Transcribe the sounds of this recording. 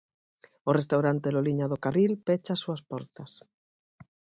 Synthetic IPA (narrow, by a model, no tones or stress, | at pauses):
orest̪awɾant̪eloliɲaðokarilpet͡ʃasuaspɔɾt̪as